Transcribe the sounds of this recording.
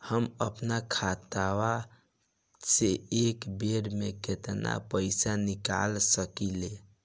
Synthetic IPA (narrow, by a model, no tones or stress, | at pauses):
həməpnakʰat̪awa | seekbeɾmeket̪na̰pəɪsanika̰lsəkile